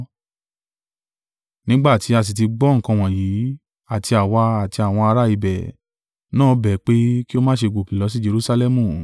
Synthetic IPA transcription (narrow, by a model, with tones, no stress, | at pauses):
nĩ˦ɡ͡ba˦˨ti˨˧˦a˧˨s̬i˨t̬i˧ɡ͡bɔ˦ŋ̩˨kã˧w̃ɔ̃˨jiː˨˦ | a˦˨ti˧a˨wa˧a˨ti˧a˨w̃ɔ̃˧a˧ɾa˦i˧bɛ˨ | nãː˦bɛ˨˦k͡pe˦ki˦o˧mãː˦ʃe˧ɡ͡bo˨ki˨lɔ˨˧˦s̬i˦d͡ʒe˧ɾu˦sa˧lɛ˦mũ˨